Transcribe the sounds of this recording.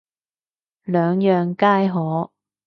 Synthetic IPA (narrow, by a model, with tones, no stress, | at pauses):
lœː˨˧ŋjœː˨ŋkaː˥jɦɔː˨˥